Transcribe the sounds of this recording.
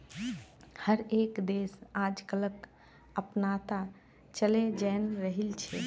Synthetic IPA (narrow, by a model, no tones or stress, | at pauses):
həɾekd̪eːsaːd͡ʒkələk | əpnat̪a | t͡ʃəled͡ʒɛːnɾəɦilt͡ʃʰɛ